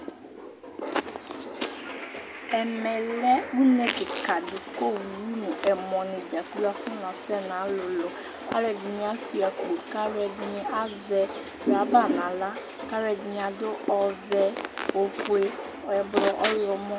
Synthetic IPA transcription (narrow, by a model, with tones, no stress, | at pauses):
ɛ˨mɛ˨lɛ˦wu˦nɛ̃˨kɪ˨ka˨dʊ˨ko˦wu˨ɾu˦nũ˨ʔɛ˨mɔ̃˨nɪ̃˨d͡ʒa˨ku˦la˦fʊ˦nã˨sɛ˦nã˨˦lʊ˨lɔ˨ | ka̰˦lɛ˨ɡi˨ɲ˨˦a˨˦su˨a˨ko˨ka˦ɾɛ˨dnɪ̃˨ʔa˦zɛ˨ | a˨ba˦˨nã˨la˦ | ka˦ɾɛ˨d͡ʒi˨ɲ˨a˨d̪ʊ˦ʔɔ˨vɛ˦o˨fo˦e˦˨ | ɛ˨blɔ˨ʔɔ˦jɔ˨mɔ̃˦